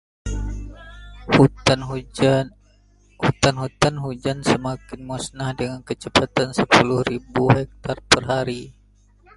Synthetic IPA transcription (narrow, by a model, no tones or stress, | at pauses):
hu | hut̪anɦut̪anɦud͡ʒansəmakɪnmusnahdəŋankət͡ʃəpat̪ansəpulʊhribuɦɛk̚t̪arpərɦaɾi